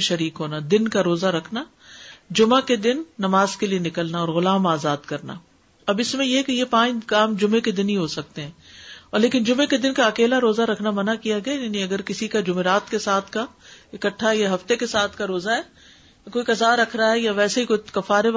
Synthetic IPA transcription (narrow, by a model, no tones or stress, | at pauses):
ʃɐɾiːkɦoːnad̪ɪnkaɾoːzaɾɐkʰna | d͡ʒʊmaked̪ɪnːɐmaːzkelienɪkəlnaɔːɾɣʊlaːmaːzaːd̪kɐɾna̰ | ɐbɪsmẽjekejepãːɲɡaːmd͡ʒʊmẽked̪ɪnɦiɦosɐk̚t̪eɦɛ̃ːɔːɾleːkɪnd͡ʒʊmẽked̪ɪnkaɐkeːlaɾoːzaɾɐkʰnamɐnakijaɡɐjajaːnĩɐɡəɾkɪsikad͡ʒʊmeɾaːt̪kesaːt̪ʰkaɪkəʈʰːaɦɛjaɦɐft̪ekesaːt̪ʰkaɾoːzaɦɛː | koːikɐzaːɾɐkʰɾaɦɛjaʋɛːseɦikokɐfaːɾe